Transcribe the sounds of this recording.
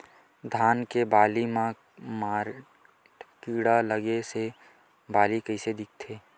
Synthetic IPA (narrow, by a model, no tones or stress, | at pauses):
d̪ʱaːnkebaːlimã | maːɾ | kiːɽaləɡese | baːlikəɪsed̪ɪk̚ʰt̪ʰeː